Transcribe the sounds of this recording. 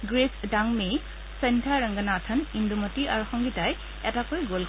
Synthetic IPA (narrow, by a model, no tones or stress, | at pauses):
ɡɹesdaŋmej | sɛntʰaɹaŋɡanatʰənindumɔtia̰ɹuxɔŋɡitaj | ɛtakojɡol